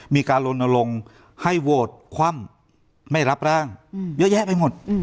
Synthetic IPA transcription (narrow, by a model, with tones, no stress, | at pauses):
miː˧kaː˧nlo˧na˧lo˧ŋ | ha˥˩jwoː˨˩t̪̚kʰwa˧˥˨m | ma˧˥˩jla˦˥p̚ɾaː˧˥˩ŋjɤː˦˥˨jɛː˦˥pa˧˨jmo˨˩t̪̚